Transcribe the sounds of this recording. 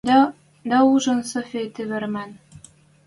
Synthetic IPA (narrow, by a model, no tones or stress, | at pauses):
d̪ | d̪æuʒɤ̆nsofʲet̪eβɘ̆rmæn